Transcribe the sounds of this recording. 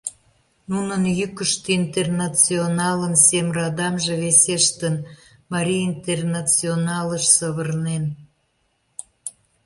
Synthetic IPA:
nunənjykəʃt̪eint̪ernɑt͡sionɑlənsemrɑd̪ɑmʒĕβeseʃt̪ənmɑɾʲijint̪ernɑt͡sionɑləʃsəβərnen

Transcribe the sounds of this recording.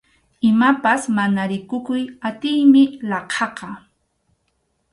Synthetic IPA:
ɪmapasmanaɾɪkʊkʊjat̪ɪjmɪlɑqʰɑqɑ

